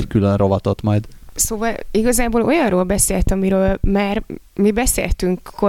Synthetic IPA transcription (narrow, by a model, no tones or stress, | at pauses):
ckylønro̞vɒt̪ot̪mɒjd̪soːvɒliɡɒzaːboːlo̞jɒnroːlbɛseːlt̪ɒmiɾøːlmaːr | mibɛsḛːlt̪yŋkːo